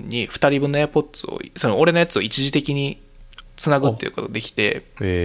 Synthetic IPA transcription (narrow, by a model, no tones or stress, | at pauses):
ɲ̟ːiɸɯ̟̥t̪aɾʲibɯ̟nːojapo̞t̪ːsɨo̰so̞nooɾe̞nojat͡sɨo̞it͡ɕiʑit̪e̞kʲiɲ̟i | t͡sɨnaɡɯ̟t̪ːeiɯ̟̰ko̞t̪o̞d̪e̞kʲi̥t̪e̞̰